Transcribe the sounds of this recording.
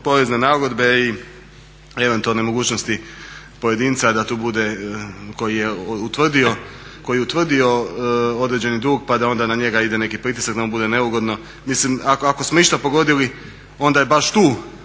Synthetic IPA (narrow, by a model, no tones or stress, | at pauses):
po̞ɾezne̞naɡo̞d̪be̞i | e̞ʋe̞nt̪ualnemo̞ɡuːt͡ɕnost̪i | po̞je̞d̪iːnt̪sad̪at̪uːbud̪e̞ko̞jijeut̪ʋr̩d̪io̞ko̞jijeut̪ʋr̩d̪io̞o̞d̪ɾe̞d͡ʑe̞nid̪uːɡpad̪ao̞nd̪anaɲe̞ɡaid̪e̞ne̞kipɾit̪i̥sakd̪aonbud̪e̞ne̞uɡo̞d̪no̞ | mislimakakosmoiʃt̪apo̞ɡo̞d̪ili | o̞nd̪ajebaʃt̪uː